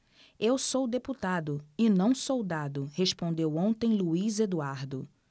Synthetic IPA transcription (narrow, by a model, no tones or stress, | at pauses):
ewsowd̪eput̪ad̪ʊɪnɐ̃w̃sowd̪ad̪ʊhespõnd̪ewõnt̪ẽj̃luized̪uaɾd̪ʊ